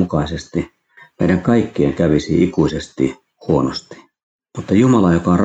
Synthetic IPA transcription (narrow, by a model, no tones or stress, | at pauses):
ukɑisest̪i | meˑiɾæŋkɑikːiḛŋkæʋisiikuisest̪ḭ | huonost̪i̥ | mut̪ːɑjumɑlɑjokɑonr